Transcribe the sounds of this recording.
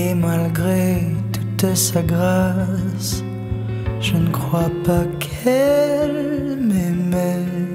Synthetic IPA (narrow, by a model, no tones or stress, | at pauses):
emalɡʁet̪ut̪saɡʁas | ʒ̥ənəkχwapakʰɛl | mɛmɛ